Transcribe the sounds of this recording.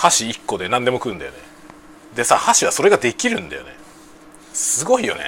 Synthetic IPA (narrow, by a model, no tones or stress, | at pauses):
haɕiːkːo̞d̪e̞nãnd̪e̞mo̞kɯ̟̃ːnd̪ajone | d̪e̞sa̰haɕiβaso̞ɾe̞ɡad̪e̞kʲiɾɯ̟̰̃nd̪ajo̞̰ne | sɨɡo̞ijo̞̰nḛ